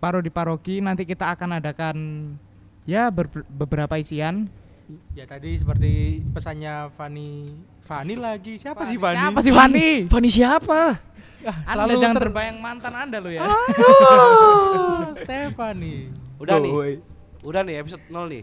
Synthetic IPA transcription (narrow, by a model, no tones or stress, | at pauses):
baɾodipaɾokinant̪ikit̪aːkanadakan | jabəbəbəɾapaisian | jat̪adisəpərt̪ipəsaɲafani | fanilaɡisiapasɪhfaiiapas̬ɪhfanifanisiapa | alldad͡ʒaŋanərbajaŋmant̪anandalʊjaao | st̪efaniudaij | udaniapisot̪̚nɔlnɪ̰